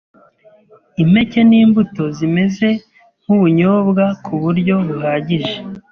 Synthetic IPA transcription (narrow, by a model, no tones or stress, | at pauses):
ime̞ce̞niːmbuto̞zime̞ze̞ | ŋ̥huβuɲoːbɡakʰuβuɾɟo̞βuhaːɟiʒe